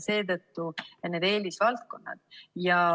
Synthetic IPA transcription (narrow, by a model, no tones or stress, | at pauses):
se̞ːt̪ɤt̪ːune̞d̪e̞ːlisvɑlt̪̚ko̞nːɑ̰d̪̥̚jɑ